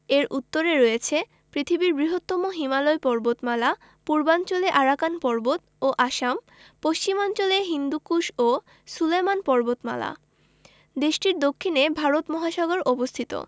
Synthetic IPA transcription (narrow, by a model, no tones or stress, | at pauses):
eɾʔut̪ːoɾeɾɔjet͡ɕʰe | pɾit̪ʰibiɾbɾiɦot̪ːɔmoɦimaloepɔɾbot̪mala | puɾbant͡ɕoleʔaɾakanpɔɾbot̪ | oʔaʃam | post͡ɕimɔnt͡ɕoleɦind̪ukuʃo | sulemanpɔɾbot̪ma̰la̰ | d̪eʃʈiɾd̪okʰːinebʱaɾot̪mɔɦaʃɔɡoɾʔɔbost̪ʰit̪o̰